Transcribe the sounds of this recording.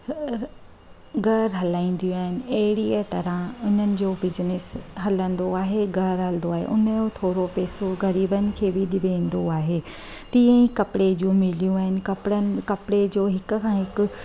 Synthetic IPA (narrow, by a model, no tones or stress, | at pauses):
ɡɐɾɦɐlaːĩːn̆d̪ijũaːɦɪnɪ̆ɐɦɪɽiət̪ɐɾə̃ʊn̤ənɪ̆d͡ʑoːbɪznɪsɦɐlə̃nd̪oaːɦeɡɐɾɦɐlɪ̃nd̪oaːɦḛʔʊnəjot̪ʰoːɾopeːsoɣɐɾiːbənɪ̆kʰeːbɪɗɪbeĩːn̆d̪oaːɦeː | t̪ĩːə̃ĩkɐpɪɽed͡ʑũmɪlijũaːɦɪnɪ̆kɐpɽənɪ̆kɐpɽed͡ʑoːɦɪkʊ̆kʰãːɦɪkʊ̆